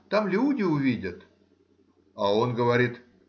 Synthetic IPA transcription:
t̪amlʲudʲɪʊvʲidʲət̪ | ao̞nɡəvɐɾʲit̪

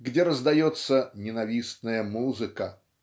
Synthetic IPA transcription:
ɡdʲeɾəzd̪ɐjot̪sːənʲɪnɐvʲisnəjəmuzɨkə

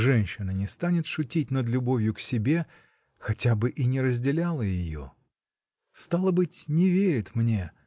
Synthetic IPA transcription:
ʐɛnʲɕːɪnənʲɪst̪anʲɪt̪ʂʊtʲit̚ʲnəd̪lʲʊbo̞vʲjʊksʲɪbʲe̞ | xɐtʲabɨʔinʲɪɾəzʲdʲɪlʲalˠəjɪjo̰ | st̪alˠəbɨtʲnʲɪvʲeɾʲɪt̪mnʲe̞

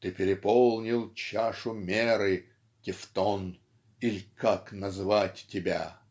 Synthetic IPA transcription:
t̪ɨpʲɪɾʲɪpolˠnʲɪlˠt͡ɕaʂʊmʲeɾɨ | tʲɪft̪on | ilʲkaknɐzɨvatʲtʲɪbʲa̰

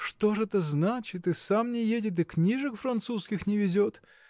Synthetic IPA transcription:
ʂt̪oʐɛt̪əznat͡ɕɪt̪ɨsamnʲɪjedʲɪt̪̬ɨknʲiʐɨkfɾɐnt̪suskʲɪxnʲɪvʲɪzʲot̪

